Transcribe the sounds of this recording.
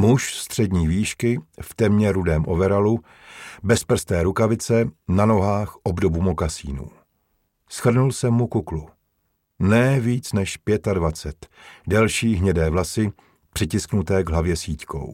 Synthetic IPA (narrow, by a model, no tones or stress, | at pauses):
muʃst̪r̝̥ɛdɲiːviːʃkɪft̪ɛmɲɛɾudɛːmʔo̞̰vɛɾalu | bɛspr̩st̪ɛːɾukavɪt͡sɛnano̞ɦaːxʔobdo̞bumo̞kasiːnṵː | sxr̩nulsɛmːukuklu | nɛːviːt͡snɛʃpjɛt̪advat͡sɛt̪dɛlʃiːɦɲɛdɛːvlasɪ | pr̥ɪcɪsknut̪ɛːɡɦlavjɛsiːc̪ko̞̰w